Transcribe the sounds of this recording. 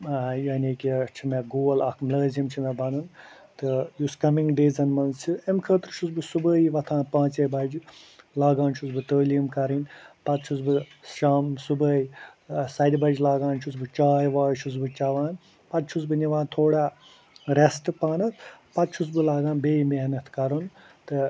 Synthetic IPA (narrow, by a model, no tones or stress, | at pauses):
jɐnekit͡ʃʰimeɡoːlɐkʰmləːzimt͡ʃʰimɛbɐnɨn | t̪ɨjuskɐmiŋɡɖeːzɐnmɐnzt͡ʃʰiemkʰəːt̪ɾʃʰuzbɨsubəːiʋɐt̪ʰãːnpãːt͡ʃebɐd͡ʒlaːɡaːnt͡ʃʰuzbɨt̪əːlimkɐɾinpɐt̪̚t͡ʃʰuzbɨ | saːmsubəːisɐd̪bɐd͡ʒlaːɡaːnt͡ʃʰuzbɨt͡ʃaːjʋaːjʃʰuzbɨt͡ʃɐʋaːn | pɐt̪̚t͡ʃʰuzbɨniʋãːnt̪ʰoːɽaː | ɾesʈɨpaːnɐt̪ʰpɐt̪̚t͡ʃʰuzbɨlaːɡãːnbeːimeɦnɐt̪ʰkɐɾun | t̪ɨ